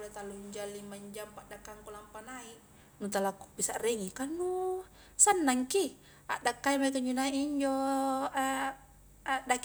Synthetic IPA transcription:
olet̪aluɲd͡ʒalimaɲd͡ʒampaʔdakːaŋkulampanaiʔ | nut̪alaku̥pisaʔreŋikanːu | sanːaŋki | a̰ʔdakːaimaik̪uɲd͡ʒunaiʔɲd͡ʒo | aʔdak

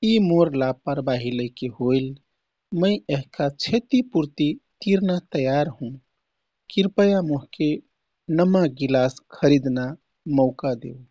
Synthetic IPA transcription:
imoɾlapəɾbaɦiləjkeɦojl | məɪeɦkat͡ʃʰet̪ipuɾt̪it̪iɾnat̪əjaɾɦũ | kiɾpəjamoɦke | nəmaɡilaskʰəɾid̪na | məʊkad̪ḛw

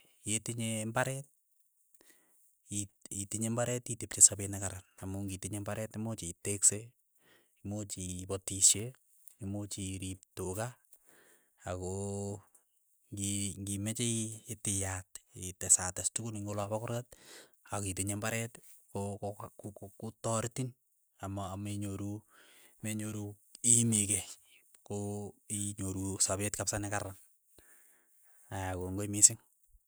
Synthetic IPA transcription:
jetiɲembaɾɛt̚ | ititiɲembaɾɛtitip̚t͡ʃesabenakaɾanamuŋɡitiɲembaɾɛtimot͡ʃitekse | imot͡ʃipɔtiʃje | imot͡ʃiɾip̚toka | ako | ŋɡiŋɡimɛt͡ʃeetɪjatɪtɛsatastukuniŋɡolabakʊɾkat̚akit̬eɲɛmbaɾɛt | kokkutɔɾtin | amaamiɲoɾumeɲoɾuimikɛ | koiɲoɾusaβetkapsanɛkaɾan | ajakoŋɡoimisɪŋ

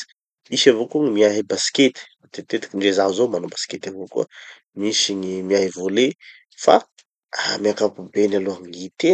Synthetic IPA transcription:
isavokuŋimiaɦibasi̥ket̪i̥at̪et̪et̪kiɳɖ͡ʐezaɦzomanobasket̪avokṵə | misiŋimiaɦivole | fa̰ | amiakapubenaloaŋit̪e

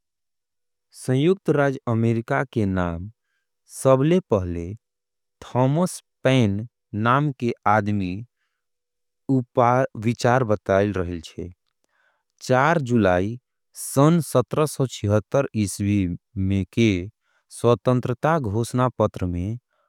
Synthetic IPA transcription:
sə̃juk̚t̪ɾad͡ʒəmeɾikakenam | səblepəɦle | t̪ʰɔməspɛnː | amkeʔad̪mi | upaʋit͡ʃaɾbət̪aɪlɾəɦəlt͡ʃʰɛ | t͡ʃaɾd͡ʒulai | sənsət̪ɾəsɔt͡ʃʰiɦət̪ːəɾiswimẽke | swət̪ə̃nt̪ɾət̪aɡʱosnapət̪ɾəmẽ

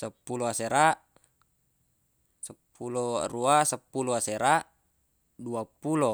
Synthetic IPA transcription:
səpːuloaseɾaʔ | səpːuloruasəpːuloaseɾaʔ | duapulo

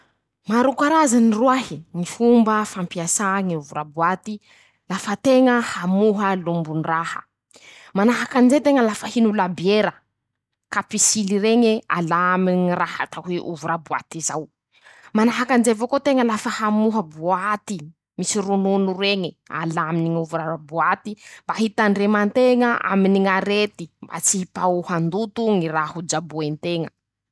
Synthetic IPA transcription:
maɾukaɾazaniruaɦiŋifumbəfampiasaŋiuvuɾabuat̪i | lafət̪eŋəhamuɦəlumbunirahə̰ | manaɦakanzet̪eŋəlafəhinulabieɾə | kapisiliɾeŋea̰laminiraha̰t̪aɦweʔṵvuɾabua̰t̪izaw | manaɦakanzevokot̪eŋəlafəhamuɦəbuat̪i | misirununureŋe | a̰laminiŋuvuɾaabuat̪imbaɦit̪aɳɖ͡ʐemant̪eŋaʔa̰miniŋaɾet̪imba̰t͡siipauhand̪ut̪uŋirahud͡ʒabuent̪eŋə

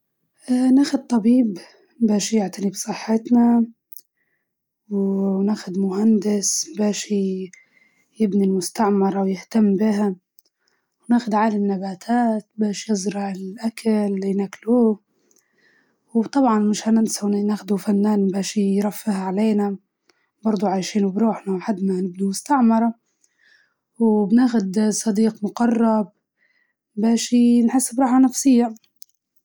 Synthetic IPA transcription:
ʔanaːxʊd̪̚t̪ˤɑbiːb | mbaːʃjɪʕt̪anibsˤɨħːɪt̪na | wnaːxʊd̪mʊhand̪ɪsbaːʃi | jɪbnilmʊst̪aʕmɑɾˤɑwjɪht̪amːbɪha | wnaːxʊd̪ʕaːlamɪnːabaːt̪ʰaːt̪baːʃjɨzɾɪʕɪlʔakʰalːinakluː | wt̪ˤɑbʕɑnmɪʃhanɪnsawninaːxd̪ufanːaːnbaːʃijɾˤafːɪhʕaleːna | bɑɾˤd̪ˤuʕaːjʃiːnbɾuːħnaħad̪ːmanɪb̚nimʊst̪aʕmɑɾˤɑ | wbnaːxʊd̪sˤɑd̪iːqmʊqɑrˤːɑb̚ | baːʃinħɪsːbɾˤɑːħanafsɪjːa

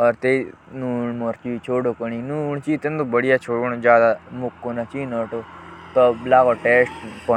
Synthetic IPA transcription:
ɔɾt̪einuːɳmɔɾt͡ʃit͡ʃʰoːɽokəɳ̃ĩnuɳt͡ʃit̪ẽnd̪ubəɽijat͡ʃʰoːɽuɳd͡ʒjaːd̪amukːonat͡ʃinɔːʈot̪ɔlaːɡoʈeːsʈ̚pɔ

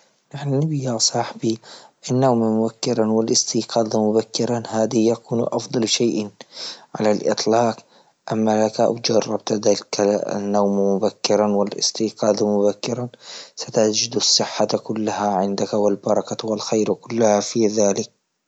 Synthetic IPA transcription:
naħnnɪbɪjasˤɑħbiʔanːawmmʊbakːɪɾˤɑwɪlʔɪst̪iːqɑːd̪amʊbakːɪɾˤanhaːd̪ɪjakuːnʔɑfd̪ˤɑlʃaːʔ | ʕa̰lalʔɪ̰t̪ˤlɑːq | ʔamːalakaʔa̰wd͡ʒɑrˤːɑbt̪ad̪alka̰nːawmmʊbakːɪɾˤɑwɪlʔɪ̰st̪iːqɑːd̪amʊbakːɪɾˤasat̪ad͡ʒɪd̪asˤːɪħːakʊlːahaʕɪnd̪akawɪlbɑɾˤɑkawɪlxajɾkʊlːahafiːðaːlɪk̚

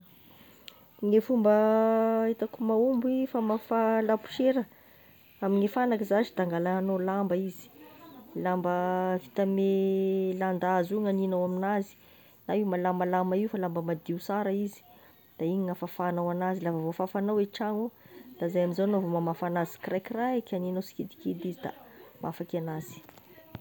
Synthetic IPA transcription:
ŋefumbəet̪akumaumbuifamafalapu̥ʃeɾə | amiŋefanakizazid̪aŋɡalaanolambəizi̥lambəvit̪ameland̪azuŋaninawaminazi̥ | naiwmalambalamaiwfalambəmad̪iusaɾaizi̥ | d̪̥aiɲiŋafafanawanazilavavofafanaweʈ͡ʂaŋu | d̪̥azajaminzanovomamafanazi̥krajkiraekʰʲaninasi̥kid̪i̥kid̪izid̪a̰mafakʲanaz̥i̥

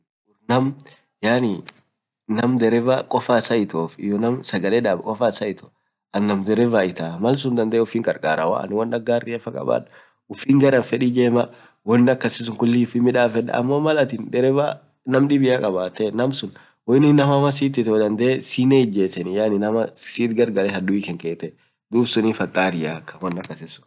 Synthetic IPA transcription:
ʊɾnɐm | jaːni | nɐmd̪ɛɾɛvaːkʼɔfasɐɪt̪oːfɪjɔnɐmsɐɡɐlɛᶑaːbkʼɔfasɐɪt̪o̥ | ɐnːɐmd̪ɛɾɛvaɪt̪aːmɐls̬ʊnd̪ɐnd̪ɛːʊfiːŋkʼɐɾkʼa̰ːɾa̰wa̰ɐ̰nwɐnːɐɡaːrːɪɐfɐkʼɐ̰ba̰ːᶑ | ʊfiːŋɡɐɾɐnfɛᶑid͡ʒeːmɐ | wɔnːɪɐkːɐsɪs̬ʊŋkʊlːiʊfimːɪᶑaːfɛᶑɐ̰ɐ̰mːoːmɐlɐt̪ɪnd̪ɛɾɛva̰ː | nɐmᶑɪbɪjaːkʼɐbaːt̪ːɛnɐmsʊn | wɔjɪnɪnɐmɐmɐs̬iːt̪ːɪt̪ɔd̪ɐnd̪eːsiːneɪd͡ʒːeːsɛnɪjaːnɪnɐmɐsiːt̪ɡɐɾɡɐlɛhɐd̪ʊɪkɛŋkʼeːt̪ːɛ | d̪uːbsʊnifɐt̪ʼːaːɾɪjaːkːɐnwɐnːɐkːɐsɪsʊ̥

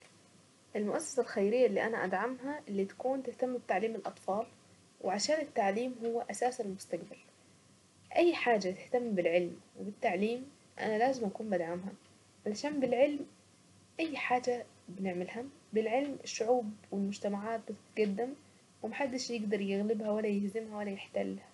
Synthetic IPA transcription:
ʔɪlmʊʔasːɪ̥salxajɾɪjːaʔlːiːʔanaʔad̪ʕamɦaʔɪlːiːt̪ḁkuːnt̪ɪht̪amːbɪt̪aʕliːmɪlʔɑt̪ˤfɑːl | wʔɪʕaʃaːnɪt̪ːaʕliːmɦʊwːaʔasaːsalmʊst̪aqbal | ʔajːħaːd͡ʒat̪ɪht̪amːbɪlʕɪlmwɪbɪt̪ːaʕliːm | ʔa̰nalaːzɪmʔakuːnmbʔad̪ʕamha | ʕalaʃaːmbɪlʕɪlm | ʔajːħaːd͡ʒa | bɪnɪʕmɪlhabɪlʕɪlmɪʃːʊʕuːbwɪlmʊd͡ʒt̪amaʕaːt̪̚bɪt̪t̪ɡad̪ːɪm | wɪmaħad̪ːɪʃjɪɡd̪ɑɾˤjɪɣlɪbhawalːajɪhzɪmhawalːajɪħt̪a̰lːha

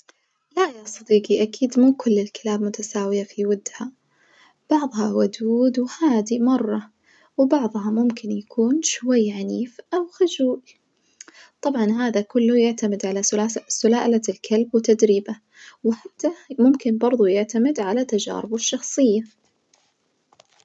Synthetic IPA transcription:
lajasˤɑd̪iːqiʔakʰiːd̪muːkʊlːɪlkɪlaːbmʊt̪asaːwɪjafiwad̪ːha | b̥ɑʕðˤhɑwʊd̪uːd̪whaːd̪imɑrˤːɑ | wbɑʕðˤhɑmʊmkɪnjakʰuːnʃwajːʕaniːfʔawxʊd͡ʒuːʔ | t̪ˤɑbʕɑnɦaːðakʊlːʊjɪʕt̪amɪd̪ʕalasʊlaːʔlalkʰalbwɪt̪ːad̪ɾiːba | wħat̪ːamʊmkɪnbɑɾˤðˤujɪʕt̪amɪd̪ʕalat̪ːad͡ʒa̰ːɾɪbɪʃːɑxsˤɨjːa

